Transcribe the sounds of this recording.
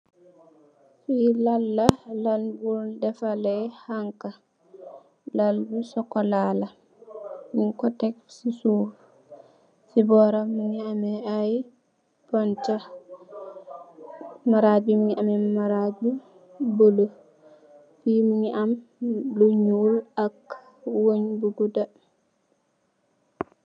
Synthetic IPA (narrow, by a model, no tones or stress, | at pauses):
filalːalanbuldɛfalɛjhaŋka | laldusɔkːɔlaːla | miŋkɔtɛksisuf | sibɔɾamiŋiamɛaj | pɔnta | maɾabimiʔamɛmaɾabi | bolo | fimiŋiamluɲulak | woɲbuɡuda